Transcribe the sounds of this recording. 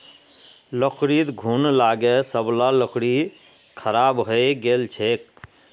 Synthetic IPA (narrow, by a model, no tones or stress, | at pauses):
lokʰɾit̪ɡʱuːnlaːɡesəblaləkɽi | kʰəɾaːbɦoeɡeːlt͡ʃʰeːk̚